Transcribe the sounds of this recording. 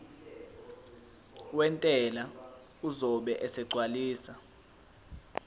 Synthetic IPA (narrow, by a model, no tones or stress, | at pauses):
wɛntʼɛla | uzɔɓɛʔɛsɛɡ͡ǀʱwaliːsa